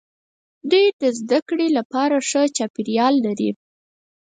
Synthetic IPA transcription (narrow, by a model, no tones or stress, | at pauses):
d̪ujd̪əzd̪akɽelapɑɾaʂət͡ʃɑpiɾjɑlːaɾḭ